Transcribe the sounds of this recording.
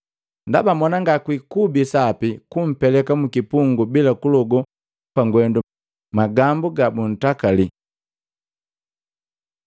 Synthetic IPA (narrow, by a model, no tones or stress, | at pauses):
ndabamɔnaŋɡakwikubisapikum̩pɛlɛkamukipuŋɡubilakulɔɡɔ | paŋɡwɛndu | maɡambuɡabun̩takali